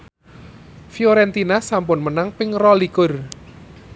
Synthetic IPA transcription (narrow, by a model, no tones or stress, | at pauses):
fioɾɛnt̪inasampʊnmənaŋpɪŋrɔlikʊr